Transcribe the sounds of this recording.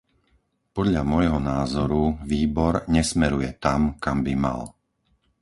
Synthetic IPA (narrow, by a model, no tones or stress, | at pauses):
pɔd̪ʎamɔjɦɔnaːzɔɾuʋiːbɔɾɲɛsmɛɾujɛt̪amkambima̰l